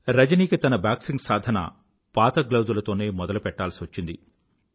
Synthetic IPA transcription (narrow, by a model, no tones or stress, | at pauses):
ɾɐd͡ʒɐniːkit̪ɐnɐbaːksiŋɡsaːd̪ʱɐnɐ̰ | paːt̪ɐɡlɐwzulɐt̪o̞ːne̞ːmɔd̪ɐlupɛʈːaːlsiʋɐt͡ʃːind̪ḭ